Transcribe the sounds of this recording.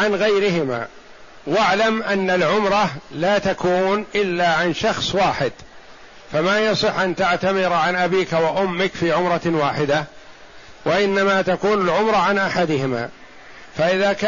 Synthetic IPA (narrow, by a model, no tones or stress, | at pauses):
ʕanɣajɾɪɦɪma̰ː | waʕlamʔanːalʕʊmɾˤɑlaːt̪akuːnʔɪlːaːʕanʃɑxsˤwaːħɪd̪ | famajɑsˤɨħːʔant̪aʕt̪amɪɾʕanʔabiːkawaʔʊmːɪkfiːʕʊmɾˤɑwaːħɪd̪a | waʔɪnːamat̪akuːnalʕʊmɾˤɑʕanʔaħad̪ɪhɪma̰ː | faʔɪðaːk